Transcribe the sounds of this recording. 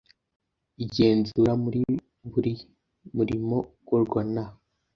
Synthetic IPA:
iɟe̞ːnzuɾamuɾi | βuɾi | muɾimo̞ɡoɾɡana

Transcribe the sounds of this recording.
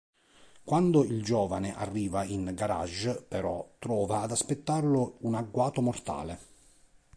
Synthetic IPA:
kwand̪ʊild͡ʒɔːvanɪʔarːiːvainɡaɾa̰ʒpɛɾɔt̪ːɾɔːvaːd̪aspet̪ːarlʊunaɡːwaːt̪ʊmɔrt̪a̰ːle

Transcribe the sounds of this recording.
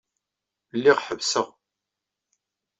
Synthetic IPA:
lːiʁħəvsəʁ

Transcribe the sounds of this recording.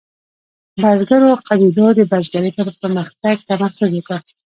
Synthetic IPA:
bazɡaɾoqʰabid̪ɔd̪əbazɡaɾet̪apəpəɾməxt̪aɡ̚t̪amaxk̪ʊzeka

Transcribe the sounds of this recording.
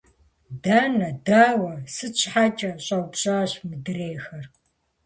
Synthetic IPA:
daːnɐdaːwɐsɨt͡ʃʰʼħaːt͡ʃʼɐɕʼɐwpɕʼaːɕmɨdɨreːxɐr

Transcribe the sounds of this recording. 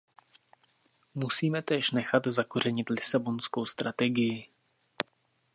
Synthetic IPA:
musiːmɛt̪ɛːʃnɛxat̪zako̞r̝ɛɲɪt̪lɪsabo̞nskowst̪ɾat̪ɛɡɪjɪ

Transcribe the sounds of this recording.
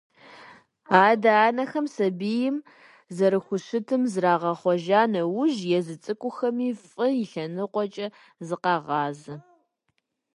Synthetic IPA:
aːdaːnɐxɐmsɐbiːjɪm | zɐɾɨxʷʊɕɪtʰɨmzraːʁɐχʷɔʒaːnɐwʊʒjɛzɨt͡sʼɨkʷʼʊxɐmiːfʼɨjɪɬɐnɨqʷɔt͡ʃʼɐ | zɨqɑːʁɑːzɨ

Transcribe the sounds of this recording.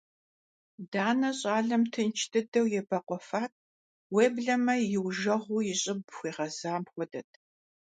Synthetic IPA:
daːnɐɕʼaːɮɐmtʰɨnt͡ʃʰtʰɨdɐwjɛbɐqʷɔfaːt̚ʰʼ | weːbɮɐmɐjɪwʒɐʁʷuːjɪɕʼɪbxʷiːʁɐzaːmxʷɔdɐtʰ

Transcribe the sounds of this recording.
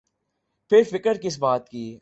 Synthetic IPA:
pʰɪɾfɪkəɾkɪs̬baːt̪kiː

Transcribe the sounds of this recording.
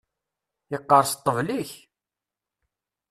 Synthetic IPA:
jəqːɑɾˤst̪ˤːəvliç

